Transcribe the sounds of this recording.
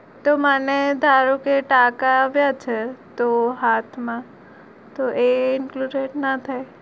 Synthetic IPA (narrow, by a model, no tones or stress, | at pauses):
t̪omaned̪ʱaːɾokeʈaːkaʋjat͡ʃʰɛt̪oɦaːt̪ʰmã | t̪oʔeɪnkluɾeʈnat̪ʰa